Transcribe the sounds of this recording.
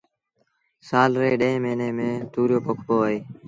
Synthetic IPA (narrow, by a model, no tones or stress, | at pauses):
saːlɾeːɗẽẽːmeːneːmẽːt̪uːɾjoːpokʰpoːəeː